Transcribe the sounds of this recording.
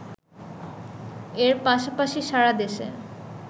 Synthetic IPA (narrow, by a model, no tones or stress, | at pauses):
eɾpaʃapaʃiʃaɾad̪eʃḛ